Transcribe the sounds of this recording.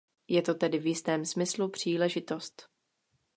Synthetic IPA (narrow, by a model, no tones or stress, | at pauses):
jɛt̪o̞t̪ɛdɪvjɪst̪ɛːmsmɪslupr̝̥iːlɛʒɪt̪o̞st̪